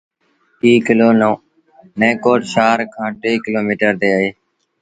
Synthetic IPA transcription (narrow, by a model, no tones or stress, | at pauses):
iːkɪloːnoː | nẽːkoːʈʃaːɾkʰãːʈeːkɪloːmiːʈəɾt̪eːəɦeː